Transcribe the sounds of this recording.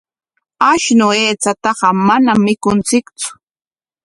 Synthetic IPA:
aʃnʊeːt͡sat̪ɑɢɑmanamːɪkʊnt͡sɪkt͡sʊ̥

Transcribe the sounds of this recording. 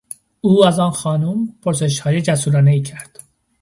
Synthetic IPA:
uːæzɒːnxɒːnumpʰoɾse̞ʃhɒːjed͡ʒæsuːɾɒːneiːcʰæɾd̪̥

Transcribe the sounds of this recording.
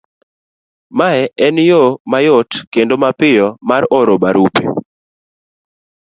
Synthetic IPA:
maɛɛnjomajotkendomapɪjɔmaɾɔɾobaɾupḛ

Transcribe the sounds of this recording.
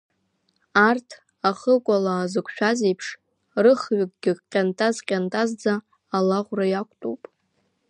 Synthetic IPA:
artʰ | aχəkʷʼalaːzɨkʷʰʃᶣazejpʰʂ | rɨχɥaɡ̚ʼɡʲɪqʲʼantʼazqʲʼantʼazd͡zaː | laʁʷrajakʷʼtʼo̰wpʼ

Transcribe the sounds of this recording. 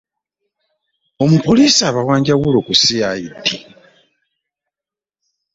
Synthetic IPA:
o̞mupoliːsiaβawaːɲɟaɣulokusiaidi

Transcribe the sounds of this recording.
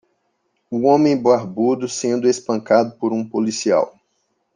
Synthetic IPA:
uõmẽj̃boaɾbud̪ʊsẽnd̪ʊespɐ̃ŋkad̪ʊpoɾũpolisia̰w

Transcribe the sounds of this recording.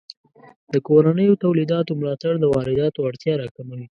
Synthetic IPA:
d̪əkoɾanəjot̪awlid̪ɑt̪omlɑt̪aɽd̪əwɑɾɪd̪ɑt̪oaɽt̪jɑɾɑkaməl

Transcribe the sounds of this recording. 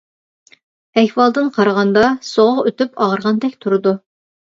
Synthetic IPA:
ɛhwɑlˠd̪ɨnqʰɑɾʁɑnd̪ɑsoʁʊʁøt̪ypɑʁəɾʁɑnd̪ɛkʲt̪ʰuɾɨd̪u

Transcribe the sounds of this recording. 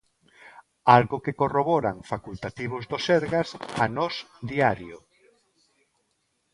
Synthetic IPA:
alɣʊkekoroβɔɾa̰ŋfakult̪at̪iβʊzd̪oseɾɣasanɔs | d̪iaɾjo

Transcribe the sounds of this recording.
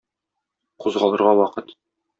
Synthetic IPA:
quzʁɑlˠɤ̆ɾʁɑwɒqɤt̪

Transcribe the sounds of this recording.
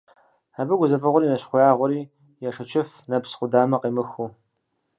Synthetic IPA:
aːbɨɡʷʊzɐfɨʁʷɔɾiːnɐɕχʷʊjaːʁʷɔɾiː | jaʂɐt͡ʃʰɪfnɐpsχʷʊdaːmɐqiːmɨxu

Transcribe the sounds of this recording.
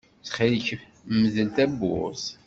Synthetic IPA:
t͡sχiləçə | mːəzəlt̪æbːʊ̰s

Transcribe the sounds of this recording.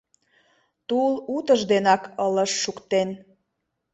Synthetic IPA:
t̪ulut̪əʒd̪enɑkələʃːukt̪en

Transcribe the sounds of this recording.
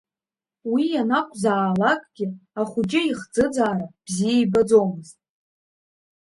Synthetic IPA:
wijanakʷʼʰzaːlakʼɡ̥ʲɪaχʷʊd͡ʒɪiχd͡zɨd͡zaːrab̥zijejbad͡zomɨztʼ

